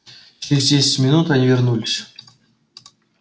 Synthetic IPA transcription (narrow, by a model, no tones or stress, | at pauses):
ɕɪɾʲɪzʲdʲesʲɪ̥t͡sʲmʲɪnut̪anʲivʲɪrnulʲɪsʲ